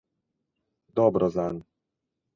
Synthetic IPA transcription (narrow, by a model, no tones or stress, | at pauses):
d̪ɔbɾɔzan